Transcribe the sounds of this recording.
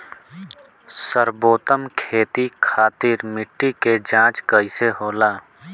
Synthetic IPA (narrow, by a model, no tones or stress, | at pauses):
səɾboːt̪əmkʰeːt̪ikʰaːt̪iɾmɪʈːiked͡ʒãːt͡ʃkəɪseɦoːlaː